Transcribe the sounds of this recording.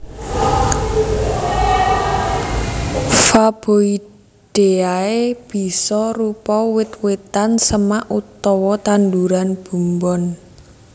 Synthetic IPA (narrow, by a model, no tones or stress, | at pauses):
fab̥oi | ɖ̥e̤aeb̥i̤sɔrupɔwɪt̪wet̪ansəmaʔut̪ɔwɔt̪anduɾanb̥ṳmbɔn